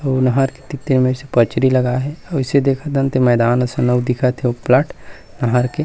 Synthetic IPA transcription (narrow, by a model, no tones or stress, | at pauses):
nɐɦaɾket̪ɪt̪ːɪɾmẽʊsepət͡ʃɾilɐɡaɦɛɔɪsed̪eːkʰat̪ɐnt̪emɛːd̪aːnɐsɐ̃nəwd̪ɪkʰat̪ʰeoplɐʈ | nɐɦaɾke